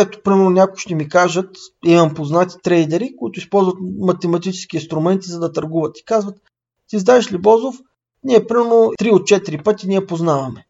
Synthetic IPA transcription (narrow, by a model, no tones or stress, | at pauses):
ɛt̪o̥pɾimɛɾnonʲakʊ̥ʃt̪ɛmikaʒət̪imɐmpoznat̪i̥t̪ɾɛjd̪ɛɾikʊit̪ʊispɔlˠzvət̪mɐt̪ɛmɐt̪it͡ʃɛ̥sk̟iinst̪ɾʊmɛnt̪izɐd̪ɐt̪ɐɾɡuvət̪i̥kazvət̪ | t̪izd̪aɛʃlibɔzof | nʲiɛpɾimɛɾnot̪ɾiot̪̚t͡ʃɛt̪iɾipɤt̪ʲiniɛpoznavɐmɛ